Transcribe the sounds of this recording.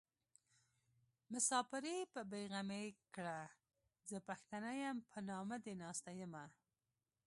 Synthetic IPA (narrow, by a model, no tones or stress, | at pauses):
mʊsɑpɪɾipəbeɣamekɽa | zəpaxt̪anajampʰənɑmad̪enɑst̪ajəma